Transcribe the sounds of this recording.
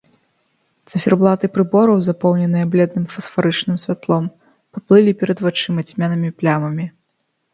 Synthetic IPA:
t̪sɨfʲɛrblˠat̪ɨpɾɨbɔɾɐwzapɔwnʲɛnɨjɐblʲɛd̪̚nɨmfɐsfaɾɨt͡ʂnɨmsʲvʲat̪lˠɔm | paplˠɨlʲipʲɛɾɐd̪vat͡ʂɨmɐt͡sʲmʲanɐmʲiplʲamɐmʲi

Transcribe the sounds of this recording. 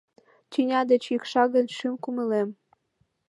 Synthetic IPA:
t͡ɕinʲɑd̪et͡ɕikʃɑɣə̆nʲʃymkuməlem

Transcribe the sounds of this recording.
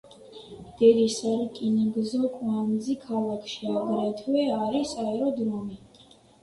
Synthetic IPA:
d̪̥ɛɾisaɾkʼinɛɡzɔkʼwanzikʰalˠakʰʃiaɡɾɛt̪ʰwɛaɾisaɛɾɔd̪ɾɔmi

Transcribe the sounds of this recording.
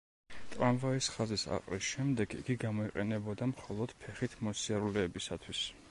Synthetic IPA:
t̪ʼɾamvaisχazisa̰qʼɾisʃɛmd̪ɛɡḭɡiɡamɔiqʼɛnɛbɔd̪amχɔlˠɔd̪̥pʰɛχit̪ʰmɔsiaɾulɛːbisat̪ʰwis

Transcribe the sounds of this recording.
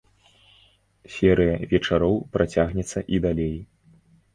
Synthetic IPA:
sʲɛɾɨjɐvʲɛt͡ʂaɾɔwpɾat͡sʲaɣnʲɛt̪sːɐʔid̪alʲej

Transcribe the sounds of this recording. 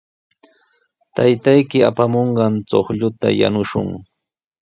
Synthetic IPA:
t̪ajt̪ajkɪapamoɴɢɑnt͡soχʎʊt̪a̰ja̰nʊʃʊ̰ŋ

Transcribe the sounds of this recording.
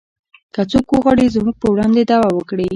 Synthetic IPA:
kət͡sokwəɣwɑɽizmuɡ̚pəwɽɑnd̪ed̪ɑwawəkɽi

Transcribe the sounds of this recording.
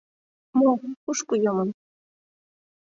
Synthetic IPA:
mokuʃkujomɤn

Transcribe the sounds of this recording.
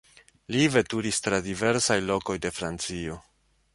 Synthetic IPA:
live̞tuɾistɾadive̞ɾsajlo̞ko̞jde̞fɾant͡sio̞

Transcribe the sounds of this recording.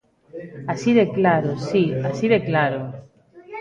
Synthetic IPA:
asiðeklaɾosiasiðeklaɾo

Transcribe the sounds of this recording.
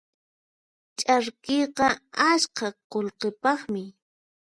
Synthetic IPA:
t͡ʃʼaɾkejqɑaʃkɑqolqepɑχmɪ

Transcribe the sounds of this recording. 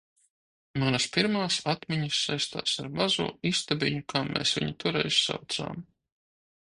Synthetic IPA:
manɐspiɾmaːsat̪mʲɛɲisːajst̪a̰ːsaɾmazṵːist̪abʲiɲukʰaːmḛːsvʲḭɲit̪uɾɛ̰jssa̰wt̪sa̰ːm

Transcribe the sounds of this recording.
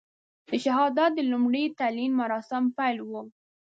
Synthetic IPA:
d̪̥əʃaɦɑd̪at̪̚d̪əlumɽəjt̪alinmaɾɑsɪmpajlwu

